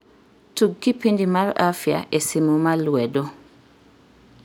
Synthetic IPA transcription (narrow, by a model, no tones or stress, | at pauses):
tuɡːipindimalafia̰ʔɛsimumaluwɛdɔ